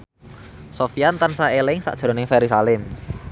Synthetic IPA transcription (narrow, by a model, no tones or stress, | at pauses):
sofiant̪ansaelɪŋsa̰ʔʒ̥ɾo̤nɪŋfeɾisalɪm